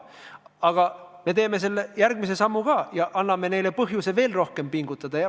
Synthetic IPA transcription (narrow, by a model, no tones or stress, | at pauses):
ɑɡ̥ɑme̞t̪e̞ːme̞s̬e̞lːejærɡ̥mise̞sɑmːukɑːjɑʔɑnːɑme̞ne̞jle̞pɤɦjuse̞ve̞ːlro̞hke̞mpiŋɡ̥ut̪ːˑɑd̪̥ɑjɑ